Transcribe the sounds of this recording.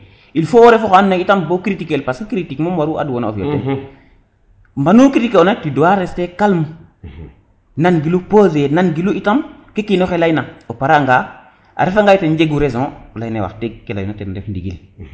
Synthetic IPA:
ilfowoɾefoxoanːaitambokɾitikelpaskiɾitikmumwaɾuʔa̰duwonao̰fo̰tu | mbanukɾitikeonatidowaɾestekalm | nanɡilupozenanɡiluitamkekinoxelajnaopaɾaŋɡa | ʔa̰ɾefaŋɡajtend͡ʒeɡuɾezɔ̃lajnewa̰teɡ̚kːela̰junateɾɾefndiɡḭl

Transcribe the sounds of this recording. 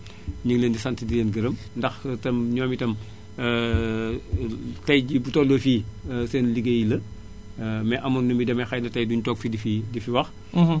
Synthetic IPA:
ɲəŋleːndisɐntidileːnɡəɾɐm | ndɐxtɐmɲɔːmitɐm | tɐjɟibutɔlofiːseːnliɡejilɐ | mɛʔɐmɔnːumbidɐmɐxɐjnɐtɐjduɲutɔːk̚fidifidifiwɐx

